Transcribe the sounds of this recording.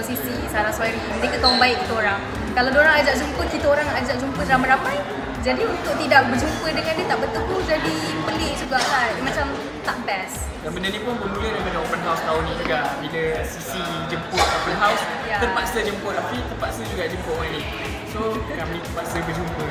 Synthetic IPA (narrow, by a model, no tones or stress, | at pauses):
sisisaɾaŋswaɾiməɾekat̪auŋbaɪʔkit̪əoɾaŋ | kalawdoɾaŋad͡ʒaʔd͡ʒumpəkit̪əoɾaŋad͡ʒaʔ̚d͡ʒumpəɾamaɾamaj | d͡ʒadiunt̪ʊʔ̚t̪idaʔbərd͡ʒumpədəŋandət̪aʔbət̪əkud͡ʒadibəlɪhd͡ʒuɡaʔkajmãt͡ʃam | t̪aʔbɛs | danmbənənĩpʊnbəmulədamənapənɦawst̪aʊnːĩd͡ʒuɡaʔbiləsisi | d͡ʒəmpʊt̪̚apənɦaws | jat̪əpaʔsəd͡ʒəmpʊapit̪əpaʔsəd͡ʒuɡaʔd͡ʒəmpʊʔmani | sokamĩt̪əpaʔsəbəd͡ʒumpə